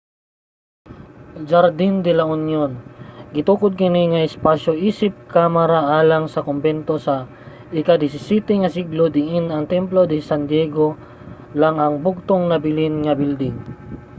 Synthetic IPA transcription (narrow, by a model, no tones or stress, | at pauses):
d͡ʒaɾd̪ind̪ɪlɐʊnjonɡɪt̪uːkʊd̪̚kɪniŋɐɪspaʃoʔiːsɪp̚kamaɾaʔaːlaŋsɐkombɛnt̪osɐ | ʔɪkad̪ɪsɪsit̪ɪŋɐsiɡlod̪ɪɪnɐŋt̪ɛmplod̪ɪsand̪jɛɡo | laŋɐŋbʊɡ̚t̪oŋnɐbɪlɪnŋɐbild̪ɪŋ